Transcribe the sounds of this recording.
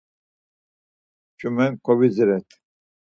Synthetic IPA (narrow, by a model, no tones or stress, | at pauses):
t͡ʃʰʼumɛnkʰɔβiziɾɛt̪ʰ